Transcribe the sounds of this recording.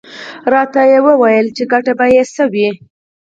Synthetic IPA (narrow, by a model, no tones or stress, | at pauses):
ɾɑt̪ajewəwajəlt͡ʃeɡaʈabajesəwi